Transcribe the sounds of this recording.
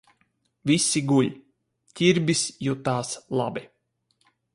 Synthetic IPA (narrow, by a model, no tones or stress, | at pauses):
visiɡuʎʲ | t̪ʲiɾbʲisjut̪aːslˠa̰bi